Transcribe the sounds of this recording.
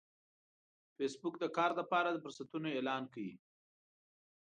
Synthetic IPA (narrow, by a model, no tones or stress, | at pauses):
fesbʊkd̪əkɑɾləpɑɾad̪əfʊɾsat̪unoelɑnkawi